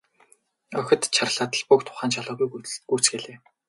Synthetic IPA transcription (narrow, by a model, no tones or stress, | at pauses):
œxʲɪ̆t̪t͡ɕʰarə̆ɮaːt̪ə̆ɮpukt̪ʰʊ̥χaːnt͡ɕʰaɮʊːɣujɡuːt͡sɡeɮeː